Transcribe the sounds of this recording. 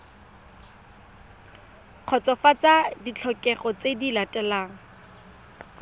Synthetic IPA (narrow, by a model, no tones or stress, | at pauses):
q͡χʰɔt͡sɔfat͡sadit͡ɬʰɔkʼɛχɔt͡sedilatʼɛlaːŋ̩